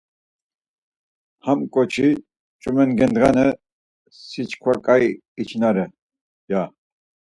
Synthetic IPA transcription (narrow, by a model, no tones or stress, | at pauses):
hamkʼɔt͡ʃʰi | t͡ʃʼumɛnɡɛnd̪ʁanə | sit͡ʃʰkʰwakʼaj | it͡ʃʰnaɾɛ | ja